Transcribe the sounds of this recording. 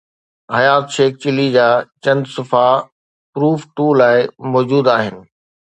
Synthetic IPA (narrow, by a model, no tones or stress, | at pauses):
hɐjaːt̪ʃeːk̚t͡ɕɪlid͡ʑaːt͡ɕɐ̃nd̪sʊfa | pɾuːfʈuːlaːɪmɔːd͡ʑuːd̪aːɦɪnɪ̆